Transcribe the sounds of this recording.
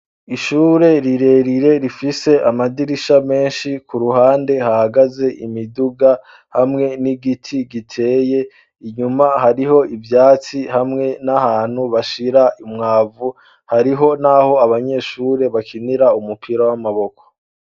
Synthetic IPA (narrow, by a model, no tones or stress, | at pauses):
iʃuːɾe̞ɾiɾe̞ːɾiɾe̞ɾifise̞ʔamadiɾiʃame̞ːnʃikuɾuhaːnde̞hahaɡaze̞ʔimiduɡa | hamŋe̞niɡitʰiɡitʰe̞ːje̞ | iɲumahaɾiɦo̞ivjaːt͡sihamŋe̞nahaːn̥huβaʃiɾaʔimŋaːvu | haɾiɦo̞naho̞aβaɲe̞ːʃuːɾe̞βakʰiniɾaumupʰiɾawamaβo̞ko̥